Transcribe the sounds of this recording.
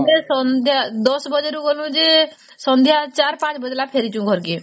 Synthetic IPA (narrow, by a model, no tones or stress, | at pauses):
d̪esɔnd̪ʱjad̪ɔsbəd͡ʒəɾũɡolũd͡ʒe | sɔ̃nd̪ʱjat͡ʃaːɾpãːt͡ʃbəd͡ʒlaːpʰeːɾit͡ʃũːɡʱɔɾkiː